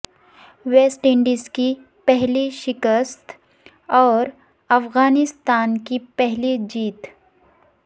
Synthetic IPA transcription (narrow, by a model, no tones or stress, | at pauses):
weːsʈɪ̃ɳɖiski | pɛɦliʃɪkəst̪ | ɔːɾ | ɐfɣaːnɪst̪aːnkipɛɦlid͡ʒiːt̪